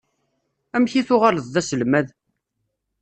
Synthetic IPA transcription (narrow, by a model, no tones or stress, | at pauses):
æmçiθʊʁaləðˤðæsəlmæð